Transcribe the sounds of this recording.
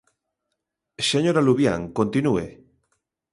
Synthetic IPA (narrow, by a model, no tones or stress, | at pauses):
seɲoɾaluβja̰ŋkont̪inuḛ